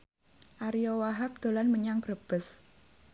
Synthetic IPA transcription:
ʔaɾijɔwaɦap̚d̪̥o̤lanməɲaŋbɾəb̥əs

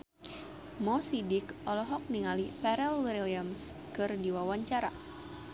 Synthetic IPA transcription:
mɔsidɪkʔɔlɔɦɔk̚niŋalipɛɾɛlwiɾiliams | kɨrdiwawaɲt͡ʃaɾa̰

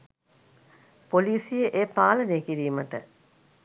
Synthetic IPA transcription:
poliːsijəʔeːpaːlənejkiɾiːməʈə

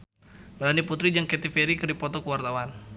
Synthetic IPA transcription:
bəlandiput̪ɾid͡ʒaŋkɛt̪ifeɾikərdipɔt̪ɔkəwart̪awan

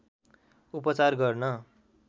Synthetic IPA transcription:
upʌt͡sarɡʌrnʌ

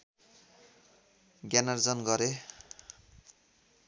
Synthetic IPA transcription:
ɡjanard͡zʌnɡʌɾe

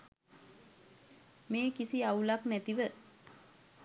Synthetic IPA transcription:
meːkisiaulaknæt̪iʋə

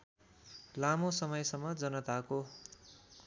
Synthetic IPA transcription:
lamosʌmʌjsʌmːʌd͡zʌnʌt̪ako

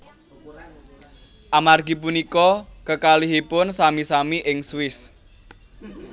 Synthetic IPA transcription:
ʔamarɡi̤punikɔkəkaliɦipʊnsamisamiʔɪŋswɪs

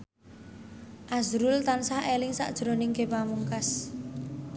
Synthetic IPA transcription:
ʔazɾʊlt̪ansahelɪŋsa̰ʔd̥ʒ̥ɾo̤nɪŋɡepamuŋkas

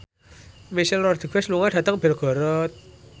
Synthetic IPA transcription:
misɛlːɔrd̪̥iɡɛsluŋaɖ̥ä̤t̪əŋb̥ɛ̤rɡ̥ɔ̤ɾɔt̪̚

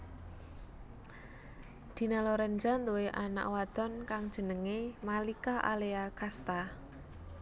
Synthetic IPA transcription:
d̪̥i̤nalɔɾənd͡ʒant̪uweʔana̰ʔwad̪̥ɔnkaŋd̥ʒ̥ə̤nəŋemalikaʔa̰leakast̪a

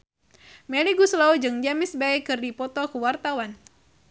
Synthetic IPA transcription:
mɛliɡuslawd͡ʒɨŋd͡ʒamɪsbaikɨrdipɔt̪ɔkəwart̪awan

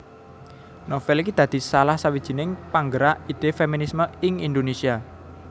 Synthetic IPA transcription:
nofɛlkid̪̥ä̤d̪̥i̤salahsawid̥ʒ̥i̤nɪŋpaŋɡəɾaʔid̪̥efeminisməɪŋind̪onesia

